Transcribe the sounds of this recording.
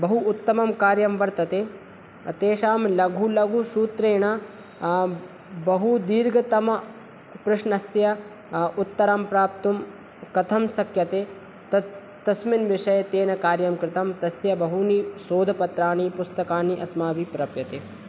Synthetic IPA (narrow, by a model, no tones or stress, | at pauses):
bɐɦuʔːt̪ːɐmɐmkaːɾjɐmʋɐɾt̪ɐt̪eː | ɐt̪eːʃaːmlɐɡʱulɐɡʱusuːt̪ɾeːɳɐ | bɐɦud̪iːɾɡɐt̪ɐmɐ | kɾɪʂnɐsjɐ | ut̪ːɐɾɐmpɾaːp̚t̪um | kɐt̪ʰɐmsɐkʰjɐt̪eː | t̪ɐ | t̪ɐsminʋɪʂɐjɐt̪eːnɐkaːɾjɐmkɾɪt̪ɐmt̪ɐsjɐbɐɦunisoːd̪ʱɐpɐt̪ɾaːnipust̪ɐkaːniʔɐsmaːʋipɾɐpjɐt̪eː